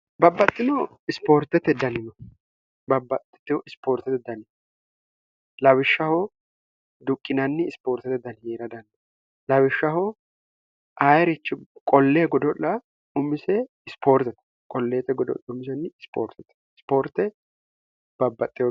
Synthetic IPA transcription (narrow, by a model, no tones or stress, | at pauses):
bɐbːɐt̪ʼːɪnɔ | ɪspo̞ːɾt̪ɛt̪ːɛd̪ɐnɪnɔ | bɐbːɐt̪ːɛ̥t̪ːɪwɔɪspo̞ːɾt̪ɛt̪ɛd̪ɐnɪ | lɐwɪʃːɐhɔ | d̪ʊkʼːɪnɐnːɪɪspoːɾt̪ɛt̪ɛd̪ɐnheːɾɐd̪ɐnd̪ɐ | lɐwɪʃːɐhɔ | ʔaːjɛɾɪt͡ʃːɪkʼɔlːeːɡɔd̪ɔlːɐ | ʊmːɪsɛ | ɪspoːɾt̪ɛt̪ɛ̥ | kʼɔlːeːt̪ɛɡɔd̪ɔ̰ʔɐʊmɪs̬ɛnːɪspo̰ːɾt̪ɛt̪ːɛ̥ɪspo̞ːɾt̪ːɛ | b̥ɐbːɐt̪ʼːɪjɔ